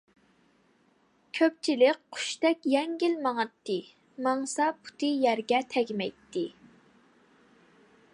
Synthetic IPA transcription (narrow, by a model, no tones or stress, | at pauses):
kʲʰøp̚t͡ʃʰilɪk̚ʲqʰʊ̥ʃt̪ɛkʲjɛŋɡʲilmɑŋɑt̪ːɨ | mɑŋsɑpʰu̥t̪ʰɨjæɾɡʲɛt̪ʰɛɡʲmɛjt̪ʰːɪ